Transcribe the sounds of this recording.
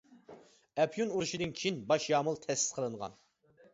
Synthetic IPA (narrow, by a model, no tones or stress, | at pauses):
ɛpʰjunuɾuʃid̪ɨnkʲʰijinbɑʃjɑːmɨlˠt̪ʰɛsɪ̥zqʰəlˠɨɴʁɑ̰n